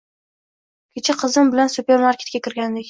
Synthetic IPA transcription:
kʲʰet͡ʃʰaqʰɨzɪmbɪlansupʲe̞ɾmaɾkʲe̞t̪kʲakʲʰɪɾɡʲand̪ekʲ

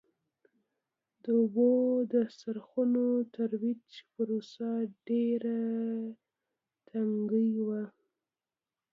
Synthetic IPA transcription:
d̪əobod̪əsaɾxunot̪aɾwit͡ʃpəɾosaɖeɾa | t̪ʰaŋɡəjwa

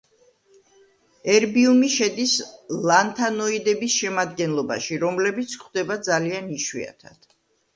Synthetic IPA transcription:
ɛɾbiumiʃɛd̪islˠant̪ʰanɔid̪ɛbisʃɛmad̪ɡɛnlˠɔba̰ʃiɾɔmlɛbit̪sʰχʰd̪ɛbad̪zalianiʃwḭa̰t̪ʰad̪̥

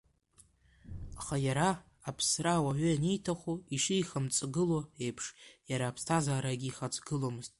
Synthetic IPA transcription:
aχajaɾaː | pʰsraːwaɥʏanijtʰaχʷuiʂɨiχamt͡sʼɡɨlo̞e̞jpʰʂjaɾaːpʰstʰazaːɾaɡʲiːχat͡sʼɡɨlomɨz̥tʼ

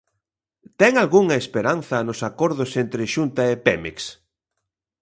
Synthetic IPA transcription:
t̪ɛŋalɣuŋɐespeɾanθɐnʊsakoɾðʊsent̪ɾɪʃunt̪ɐepɛmḛks

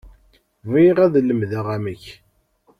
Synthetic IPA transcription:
viʁæðlːəmðæʁaməç

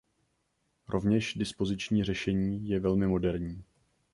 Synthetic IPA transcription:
ɾʔo̞vɲɛʃdɪspo̞zɪt͡ʃɲiːr̝ɛʃɛɲiːjɛvɛlmɪmo̞dɛɾɲiː

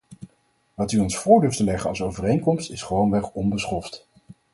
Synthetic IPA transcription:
ʋɑtyɔnsfʊːɹdɵɹftəlɛχənɑlˠsowvərejŋkɔmstɪsχəʋownʋɛχɔnbəsχɔft

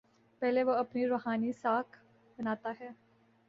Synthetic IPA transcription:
pɛɦleʋoɐpniɾoːɦaːnisaːkʰ | bɐnaːt̪aɦɛː

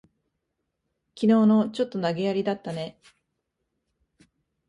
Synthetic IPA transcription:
kʲino̞ːno̞t͡ɕo̞t̪ːo̞naɡe̞jaɾʲid̪at̪ːane̞

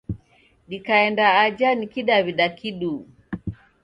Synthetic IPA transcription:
ɗikaɛndaːd͡ʒanikiɗaβiɗakiɗu

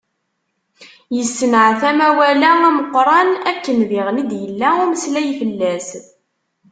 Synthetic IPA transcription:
jəsːnəʕθæmæwælææməqːɾˤɑnækːənðɪʁnid̪jəlːæʊməslæjfəlːæs

